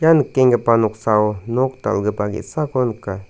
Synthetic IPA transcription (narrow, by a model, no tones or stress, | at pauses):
jankːeŋɡapanoksaonokt̪a̰lɡəpaɡḭsakonka